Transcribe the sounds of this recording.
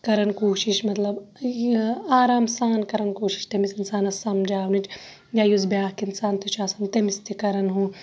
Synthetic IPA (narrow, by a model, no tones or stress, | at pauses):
kɐɾɐnkoːʃiʃmɐt̪lɐb | aːɾaːmsaːnkɐɾɐnkoːʃi̥ʃt̪ɐmisinsaːnɐsɐmd͡ʒaːwnit͡ʃ | jaːjuzbjaːɦkiɪnsaːnt̪iʃaːsɐnt̪emist̪ikɐɾɐnɦũː